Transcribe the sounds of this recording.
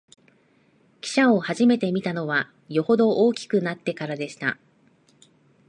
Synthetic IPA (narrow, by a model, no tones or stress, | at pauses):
kʲi̥ɕao̞haʑime̞t̪e̞mʲit̪ano̞β̞a | jo̞ho̞d̪o̞ʔoːkʲi̥kɯ̟nat̪ːe̞kaɾad̪e̞ɕi̥t̪a̰